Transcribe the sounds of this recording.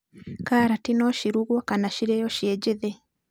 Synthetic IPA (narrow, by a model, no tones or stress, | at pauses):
kaɾatinɔʃiɾuɣwɔkanaʃiɾɛjɔʃjɛd͡ʒeðɛ